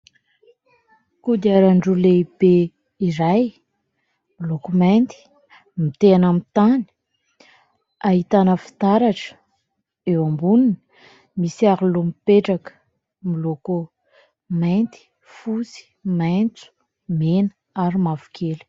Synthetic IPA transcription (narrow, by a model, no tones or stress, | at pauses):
kud̪aɾaɳɖ͡ʐuleb̥e | iɾaj | milokumant̪i̥ | mit̪eanamit̪ani̥ | aɦit̪anəfi̥t̪aɾaʈ͡ʂə̥ | ewambunin | misiaɾulumipeʈ͡ʂakə̥ | miloku | mant̪i̥ | fusi̥majnt͡su̥ | menə | aɾimavu̥kʰelu̥